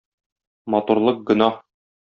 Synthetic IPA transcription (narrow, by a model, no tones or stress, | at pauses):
mɒt̪uɾlˠɤq̚ɡɵ̆nɑh